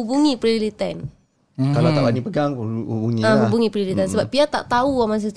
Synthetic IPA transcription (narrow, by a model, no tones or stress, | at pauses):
ubuŋipɾilit̪ɛn | kalat̪aʔbanipəɡaŋubuŋiaɦubuŋipɾilit̪ɛnsəbap̚piat̪aʔt̪auamas̬ət̪